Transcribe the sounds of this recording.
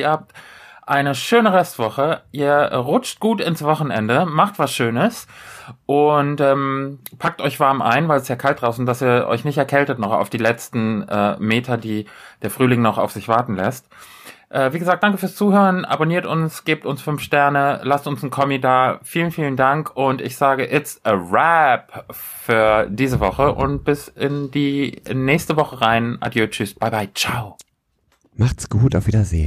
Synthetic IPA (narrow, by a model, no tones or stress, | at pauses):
iːɐhaːp̚tʔaɪnəʃøːnəʁɛstv̥ɔχəʔiːɐɛʁʊt͡ʃt̚ɡ̥uːtɪnsv̥ɔχn̩ɛ̰ndəmaχtv̥asʃøːnəsʔʊntʔɛːmpʰak̚tʔɔʏçv̥aɐmʔa̰ɪnvaɪlɛsjaːkʰaltd̥ʁaʊsʊnt̚d̥asiːɐʔɔ̰ʏçnɪçtɛɐkʰɛltətnɔχa̰ʊfd̥iːlɛt͡stn̩ʔɛ̰ːmeːtʰɐdiːd̥eːɐfʁ̥yːlɪŋnɔχa̰ʊfz̥ɪçv̥aɐtn̩lɛst | ʔɛːviːɡəzaːk̚d̥aŋkəfyːst͡suːhøːʁənʔa̰boniːɐtʊnsɡ̥eːp̚tʊnsfʏnfʃtɛɐnəlastʊnsn̩kʰɔmidaːfiːlənfiːləndaŋkʰʊntɪçz̥aːɡəʔɪsʔəʁɛp | fyːɐdiːzəvɔχəʔʊ̰nt̚b̥ɪsɪndiːnɛːçstəvɔχəʁaɪnʔa̰djoːt͡ʃʏsb̥aɪbaɪt͡ʃaʊ | maχtsɡ̥uːtaʊfviːdɐzḛː